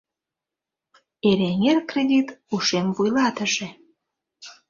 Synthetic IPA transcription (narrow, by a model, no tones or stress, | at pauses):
eɾeŋerkred̪ʲit̪uʃemvujlɑt̪ə̆ʒe